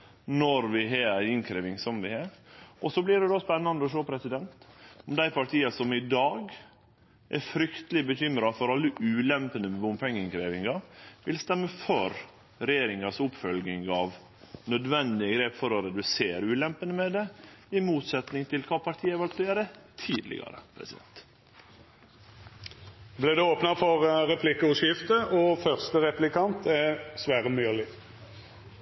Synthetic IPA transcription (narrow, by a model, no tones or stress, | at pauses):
nɔɾʋɪɦeːɾæɪnkʰɾeːʋɪŋsɔmʋɪhɑːɾʔɔsɔblɪɖɛd̪oːspɛnːɑnd̪əɔʂ̬oːpʰɾɛsɪd̪ɛnt̪ɔmd̪æɪpʰɑʈʰiːɑsɔmɪd̪ɑːɡ | ʔɛ̰ɾfɾʏkt̪əlɪbəçʏmɾɑfɔɾɑlːəʔʉːlɛmpənəmɛʊmpʰɛŋːɪŋkʰɾeːʋɪŋɑʋɪlst̪ɛmːəfœɾ | ɾɛjeːɾɪŋɑsʊpːfœlɡnɪŋɑʋ | nœd̪ʋɛnd̪ɪəɡɾeːpfɔɾɔɾɛd̪ʉseːɾʉːlɛmpənəmɛd̪ɛɪmuːt̪sɛt̪nɪŋt̪ʰɪlkʰɑːpʰɑɾʈ̪ʰiːəʋɑlt̪ʉeːɾət̪ʰiːd̪lɪ̰ɡɑ̰ɾə̰pʰɾɛ̰sɪd̪ɛ̰nt̪ | blɪd̪ɛoːpnəfɔʁʁɛpʰlɪkəʉʂjɪft̪əʔɔfœʁst̪əʁɛplɪkʰɑnt̪ʰæsʋæːʁəmyːlɪ